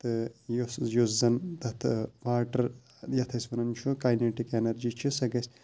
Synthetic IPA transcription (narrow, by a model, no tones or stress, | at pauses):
t̪ɨjosjoszɐnt̪ɐt̪ʰɨʋaːʈɐɾ | jɐt̪ʰɐsʲʋɐnɐnt͡ʃʰukajneʈikenɐɾd͡ʒit͡ʃʰisɐɡɐsʲ